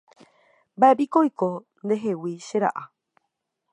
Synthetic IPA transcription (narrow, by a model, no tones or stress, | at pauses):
mbaepikojko | nd̪e̞ɦewiʃe̞ɾa̰ʔa